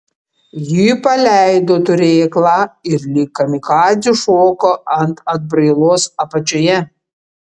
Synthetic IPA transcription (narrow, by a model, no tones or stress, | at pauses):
jiːpɐlʲæˑɪd̪oːt̪ʊɾʲeːklˠɑːɪɾlʲiːkːɐmʲɪkɑːzʲuʃoːkoɐnt̪ɐd̪̚bɾɐɪlˠoːsɐpɐt͡ʃʲojɛ